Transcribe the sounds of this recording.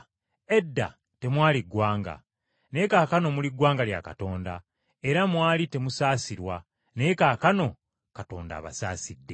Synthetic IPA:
e̞dːa̰ | te̞mwaːliɡwaːŋɡa̰ | ne̞kaːkano̞muliɡwaːŋɡalja̰kato̞ːnda | e̞ɾamwaːlite̞musaːsiɾwa | nekaːkano̞ | kato̞̰ːnda̰ːβa̰sa̰ːsidːe̞̰

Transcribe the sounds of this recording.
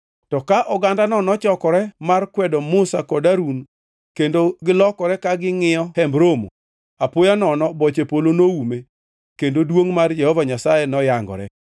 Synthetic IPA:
tɔkaʔɔɡandanɔnɔt͡ʃɔkɔɾɛmarkwɛdɔmʊsakɔdaɾun | kendoɡɪlɔkɔɾɛkaɡɪŋɪɔhɛmbɾomo̰ | apʊjanɔnɔbɔt͡ʃepolonoume | kendodwoŋmard͡ʒɛhɔvaɲasajɛnɔjaŋɡɔ̰ɾɛ̰

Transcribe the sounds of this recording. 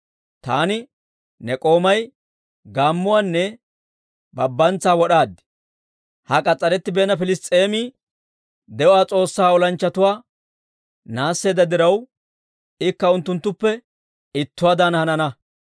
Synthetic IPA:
t̪aːnɪ | nɛkʼo̞ːmɐj | ɡaːmːʊwaːnːɛ | bɐbːɐnt͡sːaːwɔɗaːd̪ɪ̥ | hɐkʼɐt͡sʼːɐɾɛt̪ːɪbe̞ːnːɐfɪlɪst̪ʼe̞ːmiː | d̪ɛʊaːt͡sʼo̞ːsːaːɔlɐnt͡ʃːɐt̪ʊwaː | naːsːe̞ːd̪ɐd̪ɪɾɐw | ɪkːɐʊnt̪ːʊnt̪ːʊpːɛ | ɪt̪ːʊwaːd̪anhɐnɐnɐ

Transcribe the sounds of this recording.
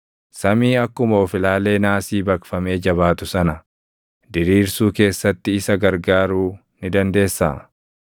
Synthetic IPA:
sɐmiːɐkːʊmɐɔfɪlaːle̞ːnaːsiːbɐkfɐme̞ːd͡ʒɐβaːt̪ʊsɐnɐ | d̪ɪɾiːɾsuːke̞ːsːɐt̪ːɪɪsɐɡɐɾɡaːɾuː | nɪd̪ɐnd̪e̞ːsːa̰ː

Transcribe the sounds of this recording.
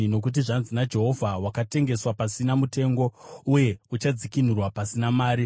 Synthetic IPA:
no̞k̬ut̬iʐanzinad͡ʒe̞ɦo̞vʱawakate̞ŋɡe̞swapasinamute̞ŋɡo̞uje̞ut͡ʃad͡zikin̤urwapasinamaːɾi

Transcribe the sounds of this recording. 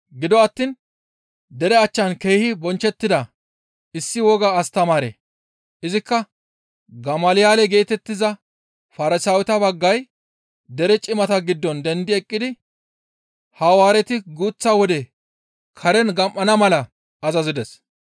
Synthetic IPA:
ɡɪd̪ɔɐt̪ːiːn | d̪ɛɾɛɐt͡ʃːɐnkejhɪbɔnt͡ʃːɛt̪ːɪd̪ɐ | ɪsːɪwɔɡaːst̪ɐmaːɾḛː | ʔɪzɪkːɐ | ɡɐmaːlɪjaːlɛɡe̞ːt̪ɛt̪ːɪzɐ | fɐɾɪsaːwɪt̪ɐbɐɡːɐj | d̪ɛɾɛt͡ʃʼɪmɐt̪ɐɡɪd̪ːɔnd̪ɛnd̪ɪɛkʼːɪd̪ɪ | hɐwaːɾɛt̪ɪɡuːt͡sːaːwɔd̪ɛ | kʰɐɾɛnɡɐmʔːɐnɐmɐlɐ | ɐzɐzɪd̪ɛs

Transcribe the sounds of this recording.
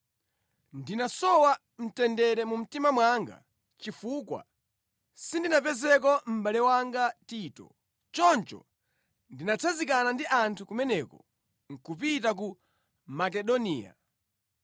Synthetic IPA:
ndinasɔwa | m̩tɛndɛɾɛmum̩timamwaŋɡa̰ | t͡ʃifuːkwa̰ | sindinapɛzɛk̬ɔm̩balɛwaŋɡatitɔ̰ | t͡ʃɔnt͡ʃɔ̰ | ndinat͡sʰazikanandiʔantʰukumɛnɛkɔ | ŋ̩kupit̬ak̬u | mak̬ɛɗɔniːja̰

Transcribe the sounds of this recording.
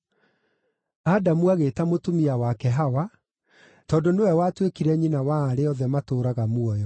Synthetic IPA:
adamuaɣeːtamotomiawakɛɦawa | tɔːndonewɛwatwekiɾɛɲinawaːɾeɔðɛmatoːɾaɣamuɔjɔ

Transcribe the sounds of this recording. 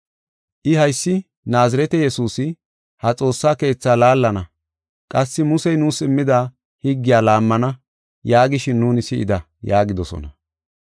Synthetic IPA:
ʔɪɦɐjsːɪ | naːzɐɾɛt̪ɛjɛsuːsɪ | hɐt͡sʼo̞ːsːaːke̞ːt͡sːaːlaːlːɐnɐ | kʼɐsːɪmʊsɛjnuːsɪmːɪd̪aː | hɪɡːɪjaːlaːmːɐnɐ | jaːɡɪʃɪnːuːnɪsɪʔɪ̰d̪ɐ | jaːɡɪd̪ɔsɔ̰nɐ

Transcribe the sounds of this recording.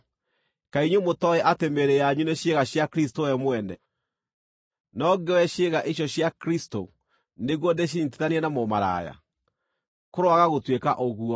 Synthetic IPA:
kaiɲomotɔeʔatemeɾejaɲuneɕeɣaɕjakɾis̬towɛmwɛnɛ | nɔɡewɛɕeɣaʔeɕjɔɕjakɾisto̰ | neɣwɔdeɕ̬int̬iðaniɛnamomaɾa̰ja̰ | koɾoaɣaɣotwekaʔoɣuɔ

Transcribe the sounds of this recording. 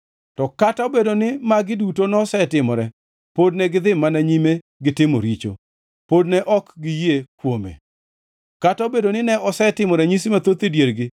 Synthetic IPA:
tɔkataobedonɪmaɡɪdutonɔsɛtɪmɔɾɛ | podnɛɡɪðɪmːanaɲime | ɡɪtɪmo̰ɾit͡ʃo̰ | podnɛʔɔkɡɪjekwomḛ | kataobedonɪnɛʔɔsɛtɪmɔɾɛɲisimat̪ot̪idjeɾɡɪ

